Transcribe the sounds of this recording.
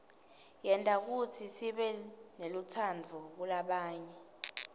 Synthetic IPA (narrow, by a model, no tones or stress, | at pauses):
jɛntʼak̬utʰisiɓɛnelutʰand͡vʱɔk̬ulaɓaːɲɛ